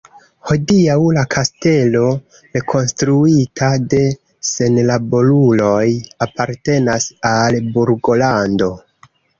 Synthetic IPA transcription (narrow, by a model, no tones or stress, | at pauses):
ho̞diawlakʰaste̞lo̞ | ɾe̞kʰo̞nstɾuitʰade̞ | se̞nlabo̞lulo̞japaɾte̞nasalbuɾɡo̞lando̞